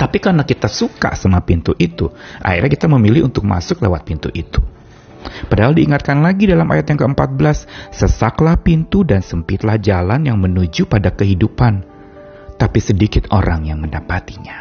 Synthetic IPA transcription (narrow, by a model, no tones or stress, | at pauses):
t̪apikarnakit̪asuka̰samapint̪uʔit̪uʔa̰ḭrɾɲakit̪aməmilɪhṵnt̪ʊk̚ma̰sʊklewat̪̚pint̪uʔit̪u̥ | padaɦaldiːŋat̪̚kanlaɡidalamʔa̰jat̪jaŋkəəmpat̪̚bəlasːəsaklahpint̪udansəmpit̪lahd͡ʒalanjaŋmənud͡ʒupadakəɦidupan | t̪apisədikɪt̪o̰ɾaŋjaŋməndapat̪i̥ɲa